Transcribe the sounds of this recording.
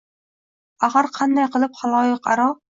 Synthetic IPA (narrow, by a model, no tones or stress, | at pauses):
aʁaɾqʰɑnd̪ajqʰɨlˠɪp̚χalˠɒjɨqa̰ɾɒ